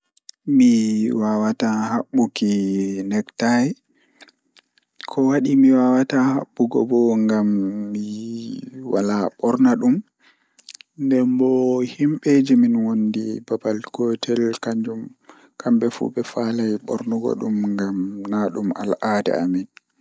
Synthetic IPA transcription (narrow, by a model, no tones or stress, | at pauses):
miwawatahaɓːukinɛktaj | kʰɔwaɗimiwawataha̰ɓːuɡɔ̰bɔŋɡamːi | walaɓɔɾnaɗum | ndɛmbɔhimɓed͡ʒiminwondibabalkɔtʰɛlkaɲd͡ʒum | kambɛfṵbɛfalajɓɔ̰ɾnuɡɔ̰ɗumŋɡamnaɗuma̰lʔaːdɛ̰amin